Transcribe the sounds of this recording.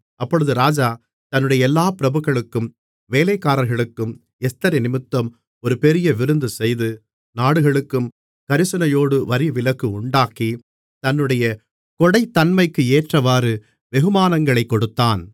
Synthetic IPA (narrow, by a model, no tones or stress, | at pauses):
ʔɐpːɔɭɯðɯɾaːd͡ʒaː | t̪ɐnːɯɽɐjɐɛlːaːpɪɾɐbɯɣɐɭɯkːɯm | ʋeːlɐɪkːaːɾɐɾɣɐɭɯkːɯm | ɛst̪ɐɾɐɪnɪmɯt̪ːɐm | ɔɾɯpɛɾɪjɐʋɪɾɯnd̪ɯsɛjðɯ | naːɽɯɣɐɭɯkːɯm | kɐɾɯsɯnɐjoːɽɯʋɐɾiʋɪlɐkːɯʊɳɖaːki | t̪ɐnːɯɽɐjɐ | kɔɽɐɪt̪ːɐnmɐɪkːɯeːʈrɐʋaːɾɯ | ʋɛɣɯmaːnɐŋɡɐɭɐɪkːɔɽɯt̪ːaːn